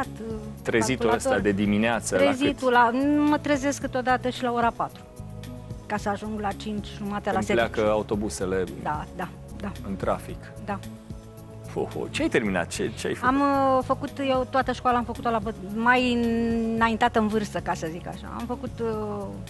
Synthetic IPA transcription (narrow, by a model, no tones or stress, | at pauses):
at̪t̪ɾezit̪uəst̪ad̪ed̪imineat̪səɾezit̪ulanumət̪ɾeze̞skɨnt̪od̪at̪əʃilao̞ɾapat̪ɾu | kasəaʒuŋɡlat͡ʃint͡ʃʲʒumat̪elaseleakəaut̪o̞buse̞le̞d̪ad̪a | d̪aɨnt̪ɾa̰fik | d̪a | fo̰ho̰t͡ʃeajt̪e̞rmina̰t̪̚t͡ʃḛt͡ʃea̰jfamfəkut̪jewt̪oat̪əʃkwalamfəkut̪olabəmaj | najint̪at̪əɨnvɨrst̪əkasəzika̰ʃa̰a̰mfəkut̪